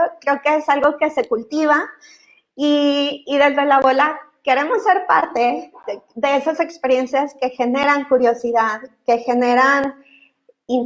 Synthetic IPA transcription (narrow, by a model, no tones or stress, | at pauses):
kɾe̞okeesalɣo̞ke̞se̞kult̪iβ̞a | iːðe̞zðe̞laβo̞lake̞ɾe̞mo̞sːe̞ɾpa̰ɾt̪e̞ðe̞e̞sase̞kspe̞ɾje̞nsjaske̞xe̞ne̞ɾaŋkuɾjo̞siðaðke̞xe̞ne̞ɾan | in